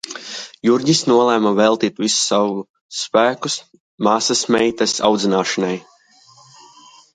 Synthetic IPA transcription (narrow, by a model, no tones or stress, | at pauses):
juɾʲɟisnuɔlˠæːmavɛlˠt̪iːt̪visu̥sawu | spæːkus | maːsasmɛjt̪asa̰wd̪zinaːʃanaj